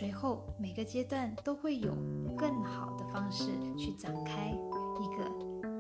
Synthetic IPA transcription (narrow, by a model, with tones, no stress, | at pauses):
we˧˥ɪxo˥˩ʊme˨˩ɪɡə˦t͡ɕjɛ˥t̪wa˥˩nt̪o˥ʊxwe˥˩ɪjo̰˨˩ʊkɤ˥˩ŋxɑ˨˩ʊd̪ə˦fɑ˥ŋʂɻ̩˥˨t͡ɕʰy˥˩ʈ͡ʂɑ˨˩ŋkʰa˥ɪi˧˥ɡə̰˧